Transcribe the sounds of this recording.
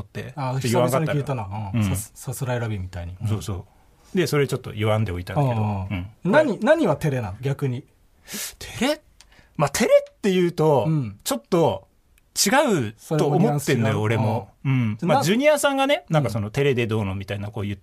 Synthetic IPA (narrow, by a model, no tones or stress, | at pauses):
ot̪ːe̞̰aooiβãɡat̪ːait̪anãɯ̃sasɨɾaeɾabʲimʲit̪aiɲiso̞ːso̞ː | d̪e̞so̞ɾe̞t͡ɕo̞t̪ːo̞̰ʔiβãnd̪e̞o̞it̪anaed̪oɯ̟̃ɴnaɲinaɲ̟iβat̪e̞ɾe̞nãɡʲakɯ̟ɲ̟i | t̪ʰeɾe̞ | mat̪ʰe̞ɾe̞t̪ːe̞jɯ̟ːt̪õ̞t͡ɕo̞t̪ːo̞ | t͡ɕiɡaɯ̟oo̞ːmott̪ːend̪ajoːɾe̞mo̞ɯ̟̃ɴmad͡ʑɨɲ̟iasãŋɡane̞nãŋkaso̞no̞t̪e̞ɾe̞d̪e̞d̪o̞ːnomʲit̪ainako̞ːjɯ̟t̪ː